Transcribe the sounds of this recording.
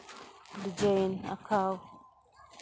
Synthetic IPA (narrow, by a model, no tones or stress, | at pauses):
did͡ʒajna̰kʰaːw